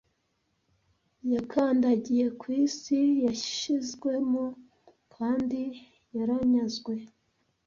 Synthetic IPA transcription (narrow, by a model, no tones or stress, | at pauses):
jakʰaːndaɟije̞kwiːsijaʃizɡwe̞mo | kʰaːndi | jaɾaɲazɡwe̞